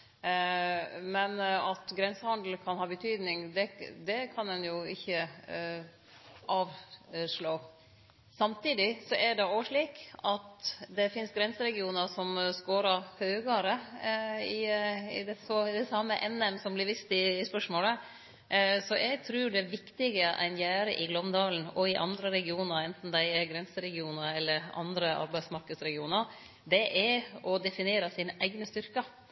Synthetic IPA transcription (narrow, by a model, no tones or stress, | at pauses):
mɛnɑt̪ɡɾɛnsəhɑnd̪l̩kʰɑnhɑːbət̪ʰyːd̪nɪŋd̪ɛd̪ɛkʰɑnɛnjʊɪçːə | ʔɑːʋʂɭoː | sɑmt̪iːd̪ɪsɔʔæɖɛoːʋəʂɭiːkɑt̪d̪ɛfɪnsɡɾɛnsəɾɛɡɪuːnəɾʂɔmskoːɾəɾhøːɡəɾə | ɪɪd̪ɛsod̪ɛsɑːmːəʔɛnɛmsɔmblɪɾʋɪst̪ɪːspœʂmoːlə | sɔʔɛɪɡ̚t̪ʰɾʉːɖɛʋɪkt̪ɪɡəʔɛ̰njæːɾə̰ʔɪɡlɔmd̪ɑːln̩ɔɪʔɑ̰nd̪ɾəɾɛɡɪuːnəɾɛnt̪n̩d̪æɪɛɾɡɾɛnsəɾɛɡɪuːnəɾɛlːəɾɑ̰nd̪ɾəʔɑ̰ɾbæɪsmɑɾkəd̪sɾɛɡɪuːnəɾ | d̪ɛʔɛɾɔd̪ɛfɪneːɾəsɪnəʔæɪɡnəst̪ʏɾkə